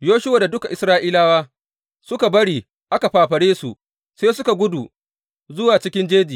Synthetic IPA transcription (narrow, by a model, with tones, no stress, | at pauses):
joː˦ʃʊ˦waː˨da˨dʊ˦ka˨ʔɪ˨sɾaː˦ʔiː˦laː˦waː˦ | sʊ˦ka˨bɐ˦ɽiː˨ | ʔa˦ka˨ɸaː˨ɸɐ˨ɽeː˦su˨ʔ | seː˦sʊ˦ka˨ɡʷʊ˦du˨ | zʊ˦waː˨t͡ʃɪ˦kʲɪ˦nd͡ʒeː˦d͡ʒiː˨